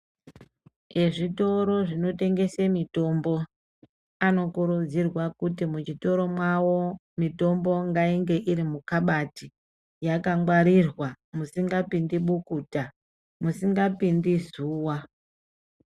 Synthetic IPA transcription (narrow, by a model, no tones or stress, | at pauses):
eʐito̞ɾo̞ʐino̞te̞ŋɡe̞semito̞mbo̞ | ano̞kuɾud͡zirwakutimut͡ʃito̞ɾo̞mwawo̞mito̞mbo̞ŋɡaiŋɡe̞ʔiɾimukaɓati | jakaŋwaɾirwa | musiŋɡapindiɓukuːta | musiŋɡapindizuːwa